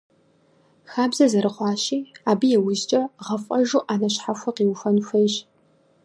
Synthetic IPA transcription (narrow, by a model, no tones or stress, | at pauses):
xaːbzɐzɐɾɨχʷɑːɕiːaːbijɛwʊʑt͡ʃʼɐʁɐfʼɐʒuːʔaːnɐɕħaxʷɐqiːwfɐnfʷɐjɕ